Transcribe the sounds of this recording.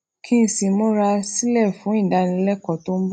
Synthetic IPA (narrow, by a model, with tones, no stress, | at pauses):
kʰĩ˦˨si˧˨mõ˦ɾa˧si˦lɛ˦˨fũ˨˦ĩ˦˨da˨˧˦nĩ˧˦lɛ˦kɔ˨to˦m̩˦b